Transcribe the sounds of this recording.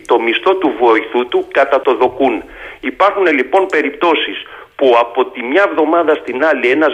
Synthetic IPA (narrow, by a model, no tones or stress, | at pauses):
t̪o̞mist̪o̞t̪uvoiθut̪ukɐt̪ɐt̪o̞ðo̞kunipɐɾxune̞lipo̞npe̞ɾipt̪o̞sis | puɐpo̞t̪imɲɐevðo̞mɐðɐst̪inɐlie̞nɐz